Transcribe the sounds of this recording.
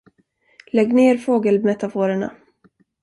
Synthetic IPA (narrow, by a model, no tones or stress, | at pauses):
lɛɡneːɾfoːɡəlmɛt̪afuːɾəɳa̰